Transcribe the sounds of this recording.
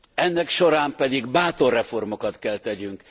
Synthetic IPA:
ɛnːɛkʃo̞ɾaːmpɛd̪iɡbaːt̪o̞rːɛfo̞rmo̞kɒt̪kɛlt̪ɛɟyŋk

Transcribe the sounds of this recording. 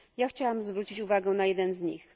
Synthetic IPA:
jaxt͡ɕawamzvɾut͡ɕit͡ɕuvaɡɛnajɛd̪ɛnzɲḭx

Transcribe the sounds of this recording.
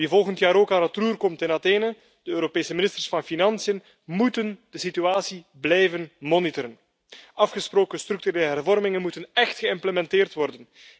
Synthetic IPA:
ʋivɔlˠɣəntjaːɾoːkaːnətruːrkɔmtɪnɑteːnə | d̥əøːɾopeːsəmɪnɪstərsfɑnfinɑnsiən | mutənd̥əsityaːsi | blɛjvənmɔnitəɾən | ɑfxəsproːkənst̪ɾʏk̚tyɾeːləɦɛrvɔrmɪŋənmutənɛxtxəɪmpləmɛnteːrtʋɔrdən

